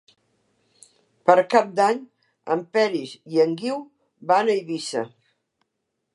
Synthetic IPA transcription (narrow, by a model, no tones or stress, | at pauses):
pəɾkap̚d̪aɲ | ə̰mpɛɾiziəŋɡiw | banəiβisə̰